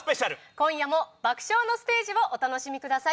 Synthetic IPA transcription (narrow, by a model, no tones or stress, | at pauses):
spe̞ɕaɾɯ̟kõ̞ɰ̃jamo̞bakɯ̟̥ɕo̞ːno̞sɨ̥t̪e̞ːʑiβoʔot̪ano̞ɕimʲikɯ̟d̪asa